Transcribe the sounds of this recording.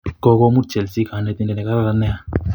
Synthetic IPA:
kɔ˧kɔ˦mu˦t͡ʃɛ˨lsi˦ka˨nɛ˦˧t̪i˦nɛ˨nɛ˨ka˦ɾa˦la˧nɛ˦a˦

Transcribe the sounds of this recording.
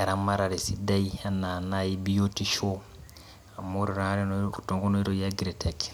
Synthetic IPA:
a˨ɾa˨maɾa˨ɾi˨si˦da˦ia˨na˨na˦jibi˦jo˦ti˦ʃo˦ | a˨mo˦ɾi˨ɾã˦ɾi˦ntɔ̃˨ŋko˦no˦i˦ɾoja˦ɡiɾe˨tʰɛk

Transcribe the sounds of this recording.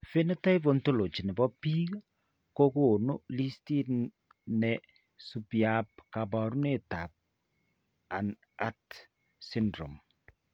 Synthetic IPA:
fe˦nɛ˦ta˦jbo˨nto˦lo˨t͡ʃi˨nɛ˨bɔ˦pi˦ɣ | ko˦ko˦˨no˦li˦sti˦ | nɛ˨ | supjap̚ka˨bɔ˨ɾu˦ne˦ta˨p̚ | a̰˨n | a˦t | si˦ndɾo̰˨m

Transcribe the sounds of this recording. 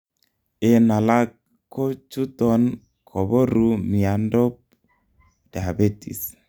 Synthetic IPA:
e˨na˨la˦k | kːo˦t͡ʃu˦t̪ɔ˦n | kʰɔ˨bɔ˦ɾu˦mi˨a˨ndɔ˦p̚ | d̥a˨be˦t̪ḭ˨s

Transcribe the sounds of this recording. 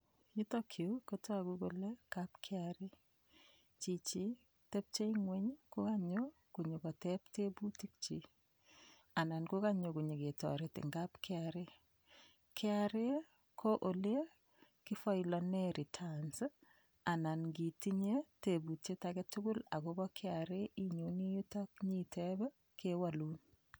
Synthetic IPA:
ji˦tɔ˦kʰjo˨ko˦to˦a˨ɡu˦ɡo˦le˦ka˦pkʰɪ˦aɾɪ˦ | t͡ʃi˨t͡ʃi˦ | tɛ˦p̚t͡ʃe˦iŋwe˦ɲkʊ˦ka˦ɲo˦ | ku˨ɲe˨kɔ˨tɛpte˦bu˦ti˦k̚t͡ʃi˦ | a˨na˨nku˦ka˦ɲo˨ku˨ɲe˨ɡe˨tɔ̰˨ɾe˨tɪ̰˨ŋɡa˦pkʰɪ˦aɾɪ˦ | kʰɪ˦aɾe˦ | kʰo˦ʔo˨le˦ | ki˦fɔ˦ilɔ˨neɾi˨tʰans | a˨na˨nɡi˨ti˦ɲe˦te˨bu˨te˦taɡɛ˦tʊ˦ɡʊ˦la̰˨ɡo˦bɔ˦kʰɪaɾe˦ʔi˨ɲoni˦ju˦ta˦k̚ɲi˦tʰe˦b | kʰe˦wa˨lu˦n

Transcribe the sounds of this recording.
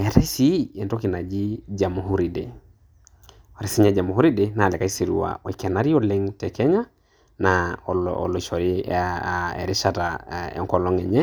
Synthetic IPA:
ɛ˨ta˦i˦si˦ɛ˨ntɔ˦ki˨na˨d͡ʒi˦d͡ʒa˨mu˨ɦu˦ɾi˨de˨ | o˨ɾi˦si˦ɲɛ˦d͡ʒa˨mu˨hu˦ɾi˦dena˨lɛ˨ka˦i˦si˨ɾṵ˨wa̰˨o˨ikɛ˨na˦ɾi˦ɔlɛ˦ŋtɛ˨kɛ˦ɲa˦ | naɔlɔ̰˨lɔ˨ʃɔ˨ɾi | ɛ̰˨ɾɪ˦ʃataɛ̰ŋkɔ˨lɔ˦ŋɛ˨ɲɛ˦

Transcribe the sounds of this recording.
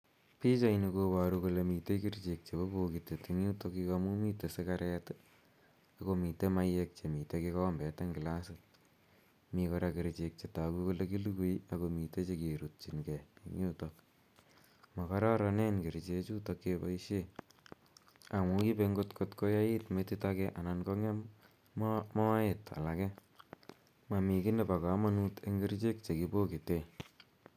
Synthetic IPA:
pi˦t͡ʃa˦ini˧koba˨ɾukolemite˦kiɾt͡ʃe˨k̚t͡ʃe˨bo˦buki˨te˨tiŋu˦to˧kikamu˦mi˦te˨se˦kaɾɛt | akomi˨temajek̚t͡ʃe˨mi˨tekikɔmbɛ˨ta˦ŋɡila˦si | mikɔɾakiɾt͡ʃek̚t͡ʃe˨ta˨kiko˦leki˦luku˦jakomi˨te˦t͡ʃekeɾut̚t͡ʃi˨nkɛiŋjutok | ma˨kɔ˦ɾa˦ɾɔ˧ne˦nke˨ɾi˨t͡ʃe˦t͡ʃutokːepa̰i˦ʃe | a˨ŋu˦ki˦peŋɡo˦tkotko˦ja˦i˦tmeti˦takɛʔa˨nanko˦ŋe˦ | mɔ˦eta̰˨la˨kɛ | ma˨mi˨kɪ˦ne˨pa˨ka˨˦ma˦nu˦te˦ŋɡe˦ɾt͡ʃe˦k̚t͡ʃe˨kibo˦ki˨te

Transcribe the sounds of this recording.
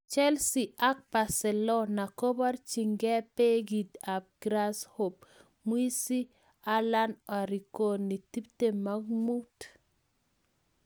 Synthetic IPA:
t͡ʃɛ˦lsi˨a˦k̚pa˨sɛ˨lɔ˦na˨ko˦ba˦rt͡ʃi˨ŋɡɛ˦pe˦ɡi˨da˨b̚ɡ̥ɾa˦sho˨p̚ | mwi˦si˦ | a˦la˦nɔ˨ɾi˨ko˨ni˨ti˦pte˨ma˦ɡmu˦t

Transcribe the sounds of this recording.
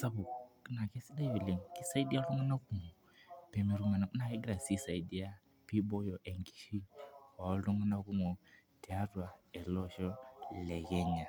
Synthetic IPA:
sa˦βu˨kna˨kɛ˦si˦da˦vi˨lɛ˨ŋ˨ki˦sa˦i˦di˦a˦lu˦ŋɡɔ˦na˦ku˨ŋɔ˨ | pɛ˨mi˨ɾu˨ma˨na˨ku˦na˨ɛ˦ɡi˦ɾa˨si˦sa˨i˨di˦a˦ | pi˦bɔ˦jɔ˨ʔɛ˨ŋɡi̥˨ʃi˦wa˨ɔ˦lɔ˦ŋɡɔ˦na˦ku˦ŋɔ˨ | tɛ˨a˦ɾwa˨ɛ˨lɔ˦ʃɔ˦lɛ˨ɣɛ˦ɲa˨

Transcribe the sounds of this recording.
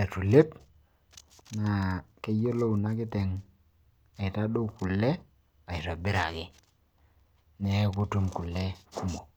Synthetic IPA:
ɛ˨tu˨le˦p̚ | na˨ke˦jo˦lo˦u˨na˦kɪ˦tɛ˨ŋ | a˨ɪ˨ta˦dʊ˦ku˨lːɛ˦ | a˨ɪ˨ɾa˨bɪ˦ɾa˨kɪ˦ | nɛ˨ku˦tu˦mku˨lːɛ˦ku˦mo˨

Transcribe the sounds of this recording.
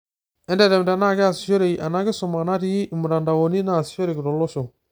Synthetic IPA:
ɛ˦ndɛ˨ɾɛ˨mda˨na˦˨ɡɪ˦a˨si˨ʃo˦ɾe˨i˨ʔa˨na˦ɡɪ˦sʊ˨ma˨na˦ti˦ji˦ʔɪ˨mu˨ɾa˨nda˨wo˨ni˦naː˦˨si̥˨ʃo˦ɾe˨kɪ˨ɾɔ˨lɔ˦so˨

